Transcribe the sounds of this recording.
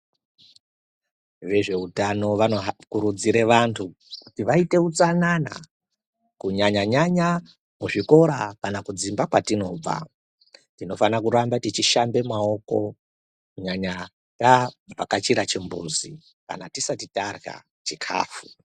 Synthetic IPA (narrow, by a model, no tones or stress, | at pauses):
ʋe̞ʐe̞utano̞ʋakuɾud͡ziɾe̞ʋantʰu | kutiʋaite̞ut͡sanana̰ | kuɲaɲaɲaɲa | muʐiko̞ɾakanakud͡zimbakwatino̞b͡va̰ | tino̞fanakuɾambatit͡ʃiʃambe̞mao̞ko̞̰ | kuɲaɲa | tapakat͡ʃiɾat͡ʃimbṵzi | ka̰natisatitarɣa̰ | t͡ʃikʰa̰ːfu̥